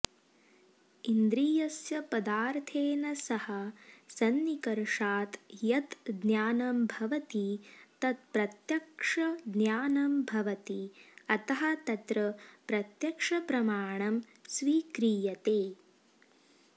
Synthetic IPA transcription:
ind̪ɾiːjɐsjɐpɐd̪aːɾt̪ʰeːnɐsɐhɐsɐnːikɐɾʂaːt̪jɐt̪d̪njaːnɐmbʱɐʋɐt̪it̪ɐt̪̚pɾɐt̪jɐkʂɐd̪njaːnɐmbʱɐʋɐt̪iɐt̪ɐɦɐt̪ɐt̪ɾɐpɾɐt̪jɐkʂɐpɾɐmaːɳɐm | sʋiːkɾiːjɐt̪eː

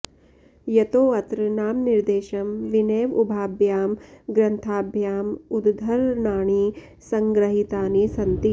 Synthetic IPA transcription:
jɐt̪oːɐt̪ɾɐnaːmniɾd̪eːʃɐmʋineːʋubʱaːbʱjaːmɡɾɐnt̪ʰaːbʱjaːmud̪d̪ʱːɐɾnaːɳ̃i | sɐŋɡɾɐɦit̪aːnisɐnt̪i

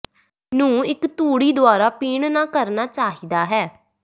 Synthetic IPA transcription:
nũːɪkt̪uːɽiːd̪ʊaːɾaːpiːɳnãːkəɾnaːt͡ʃaːɦiːd̪aːɦɛː

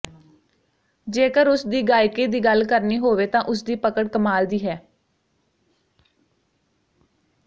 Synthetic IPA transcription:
d͡ʒeːkəɾʊsd̪iːɡaːjkeːd̪iːɡəlkəɾniːɦoːʋeːt̪ãːʔʊs̬d̪iːpəkəɽkəmaːld̪iːɦɛː

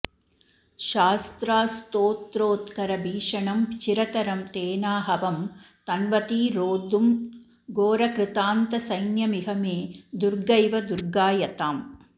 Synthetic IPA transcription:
ʃaːst̪ɾaːst̪oːt̪ɾoːt̪kɐɾɐbʱiːʂɐɳɐmt͡ʃiɾɐt̪ɐɾɐmt̪eːnaːɦɐʋɐmt̪ɐnʋɐt̪iːɾoːd̪um | ɡoːɾɐkɾɪt̪aːnt̪ɐsɐjnjɐmiɦɐmeːd̪uɾɡɐjʋɐd̪uɾɡaːjɐt̪aːm

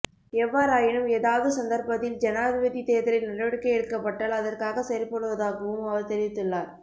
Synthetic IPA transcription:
ɛʋːaːɾaːjɪɳɯmeːðaːʋɐðɯsɐnd̪ɐɾpɐðɪld͡ʒɛnaːʋɪʋɐðit̪eːðɪɾɪlnɪlɐʋɐɽɯkːɐjɪɾɯkːɐpːɐʈːaːlɐðɐrkaːɣɐsɐɾɪpɔɽɯʋɐðaːɣɯʋɯmɐʋɐɾt̪ɛɾɪʋɪt̪ːɯɭːaːɾ

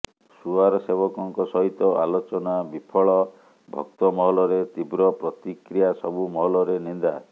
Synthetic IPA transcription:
suaɾɔsebɔkɔŋkɔsɔɦit̪ɔʔalot͡ʃɔnabipʰɔɭɔ | bʱɔ̰kt̪ɔmɔɦɔlɔɾet̪ibɾɔpɾɔt̪ikɾijasɔbumɔɦɔlɔɾenind̪a

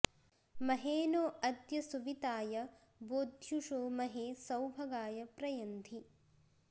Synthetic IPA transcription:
mɐɦeːnoːɐd̪jɐsuʋit̪aːjɐ | boːd̪ʱjuʃoːmɐɦeːsɐwbʱɐɡaːjɐpɾɐjɐnd̪ʱi

